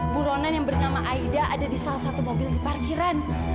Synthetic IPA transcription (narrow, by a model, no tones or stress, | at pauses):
buɾonanjaŋbərnamaʔaidaʔadadisalahsat̪umobɪldiparkiɾan